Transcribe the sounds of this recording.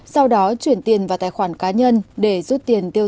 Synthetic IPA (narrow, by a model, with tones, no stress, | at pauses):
sa˧wɗɔ˨˦t͡ɕwi˧˩ənt̪i˨˩ənvaː˨˩t̪aː˧˨jxwaː˧˩nkaː˨˦ɲə˧nɗe˧˩zu˦˥t̚t̪i˨˩ənt̪i˧ə